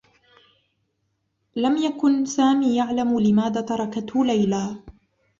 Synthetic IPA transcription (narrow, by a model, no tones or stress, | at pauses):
lamjakʊnsaːmiːjaʕlamlɪmaːðaːt̪ɑɾˤɑkat̪hʊlajlaː